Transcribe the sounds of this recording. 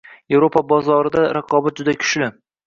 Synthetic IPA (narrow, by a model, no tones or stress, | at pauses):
je̞vɾo̞pʰabɒzɒɾɪd̪aɾaqʰɒbat̪̚d͡ʒʊd̪akʲʰʊ̥ʃlɪ